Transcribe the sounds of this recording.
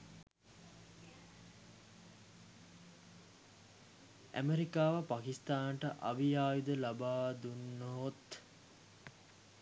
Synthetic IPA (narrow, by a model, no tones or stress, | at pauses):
ʔæ̰meɾikaːʋəpakist̪aːnʈəʔaʋijaːjud̪əlabaːd̪unːoɦot̪